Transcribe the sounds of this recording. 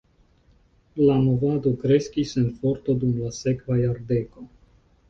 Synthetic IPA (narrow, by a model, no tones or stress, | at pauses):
lamo̞vad̪o̞kɾe̞skisenfo̞ɾt̪o̞dumlase̞kvajaɾde̞ko̞